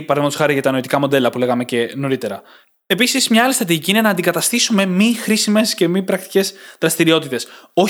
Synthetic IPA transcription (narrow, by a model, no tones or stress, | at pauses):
pɐɾɐðmɐt̪osxɐɾiʝɐt̪ɐnoit̪ikɐmod̪e̞lɐpule̞ɣɐme̞ce̞no̞ɾit̪e̞ɾɐ | episizmɲɐɐlist̪ɾɐt̪iʝiciine̞nɐːnd̪ikɐt̪ɐst̪isume̞mixɾisime̞sce̞mipɾɐk̚t̪i̥ce̞zðɾɐst̪iɾio̞t̪it̪e̞so̞